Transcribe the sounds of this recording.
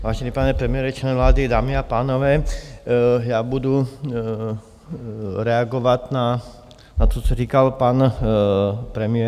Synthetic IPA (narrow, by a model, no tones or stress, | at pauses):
ʋaːʒɛnipaːɲɛpɾɛmijɛɾɛt͡ʃɛnɛʋlaːd̪id̪aːmiapaːnɔʋɛː | jabud̪u | ɾɛaɡɔʋatna | nat̪ɔt͡ʃɔɾiːkalpaːn | pɾɛmiɛ